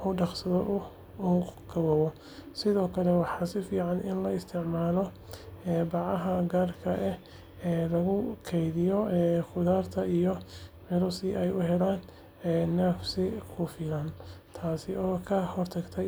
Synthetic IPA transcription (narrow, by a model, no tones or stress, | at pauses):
ʔɔːɖɑqsɐðɔʔʊ | uːɡɐwɐwɔ | sɪðɔːkʰɐlɛwɑħɑːsɪfiːʕɑnɪnlɐɪst̪ʰɪʕmaːlɔ | ɛːbɑʕɐɦɐɡaːrkʰɐʔɛ | ɛːlɐɣʊkʰɛjðɪjɔɛːxʊðaːrt̪ʰɐijɔʕɪɾʊsɪʔɛjʊɦɛlaːn | ɛːnɛːfsɪkʰʊːfɪlant̪ʰaːsɪɔːkʰɐhɔrt̪ʰɐɡt̪ʰɛ